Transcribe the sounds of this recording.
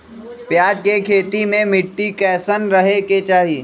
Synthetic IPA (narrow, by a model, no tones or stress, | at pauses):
pjaːd͡ʒkekʰeːt̪imẽmɪʈːikɛːsənɾɐɦeket͡ʃaːɦiː